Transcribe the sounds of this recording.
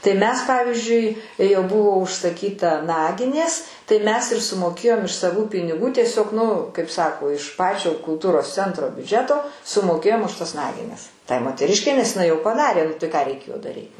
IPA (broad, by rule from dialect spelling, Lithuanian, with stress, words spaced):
tɐɪ ˈmʲɛs ˈpɑːʋʲɪzʲd͡ʒʲʊɪ jɛʊ ˈbʊʋoː ʊʃsɐˈkʲiːtɐ ˈnɑːɡʲɪnʲeːs tɐɪ ˈmʲɛs ɪr sʊmoːˈkʲeːjoːm ɪʃ sɐˈʋuː pʲɪnʲɪˈɡuː tʲiɛˈsʲoːk ˈnʊ kɐɪp ˈsɑːkoː ɪʃ ˈpɑːt͡ʃʲoː kʊlˠˈtuːroːs ˈt͡sʲɛntroː bʲʊˈd͡ʒʲæːtoː sʊmoːˈkʲeːjoːm ʊʃ tɐs ˈnɑːɡʲɪnʲɛs ˈtɐɪ moːtʲɛˈrʲɪʃʲkʲɛɪ nʲɛs jɪˈnɐɪ jɛʊ pɐˈdɑːrʲeː ˈnʊ tɐɪ kɑː rʲɛɪˈkʲeːjoː dɐˈrʲiːt